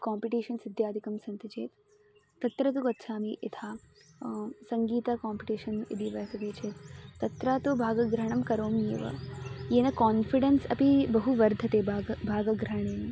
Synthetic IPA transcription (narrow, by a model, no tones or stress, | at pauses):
kaːmpiʈiːʃɐnsɪd̪ʱjaːd̪ʱikɐmsɐnt̪ɐt͡ʃeːt̪ː | ɐt̪ɾɐt̪uʋɐt̪ːʃʰaːmiʔit̪ʰaː | sɐŋɡiːt̪akaːmpiʈiːʃɐnḭd̪ʱiʋɐsɐd̪eːt͡ʃʰeːt̪ːɐt̪ɾaːt̪oːbʱaːɡɐɡɾɐɳ̃ɐmkɐɾoːmjḛːʋɐ̰jeːnɐkaːnfiɖɐnsɐpibɐɦuʋɐɾd̪ʱɐt̪eːbʱaːɡɐɡɾɐɳ̃eːni